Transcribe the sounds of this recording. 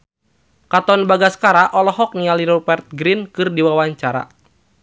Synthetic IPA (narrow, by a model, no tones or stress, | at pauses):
kat̪ɔnbaɡasə̥kaɾaʔɔlɔɦɔk̚nialiɾɔbɛrt̪̚ɡɾinkɨrdiwawaɲt͡ʃaɾa̰